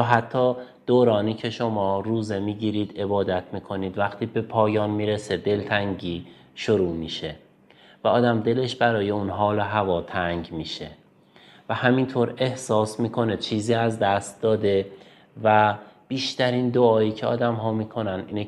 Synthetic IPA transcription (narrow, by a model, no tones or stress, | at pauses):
ɦæt̪ʰːɒːd̪̥oːɾɒːniːcʰe̞ʃo̞mɒːɾuːze̞miːɟiːɾiːd̪e̞bɒːd̪æt̪ʰmiːkʰo̞niːd̪væχt̪ʰiːbe̞pʰɒːjɒːnmiːɾese̞d̪e̞lt̪ʰæŋɟiː | ʃoɾuːmiːʃe̞ | væɒːd̪æmd̪e̞le̞ʃbæɾɒːje̞unɦɒːloɦævɒːt̪ʰæŋɟmiːʃe | væhæmint̪ʰoːɾe̞hsɒːsmiːkʰo̞ne̞t͡ʃʰiːziːæzd̪æst̪̚d̪ɒːd̪e̞ | væb̥iːʃt̪æɾiːnd̪oɒːiːcʰeɒ̰ːd̪æmɦɒːmiːkʰo̞nænḭːne